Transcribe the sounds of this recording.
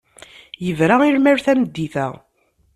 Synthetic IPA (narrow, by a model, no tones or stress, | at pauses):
jəvɾaiɾmæɾθæməd̪ːiθæ